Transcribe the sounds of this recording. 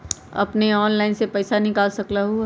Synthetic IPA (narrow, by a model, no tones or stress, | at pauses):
ɐ̰pneɔːnlaːɪnsepɛːsanɪkaːlsɐklaɦu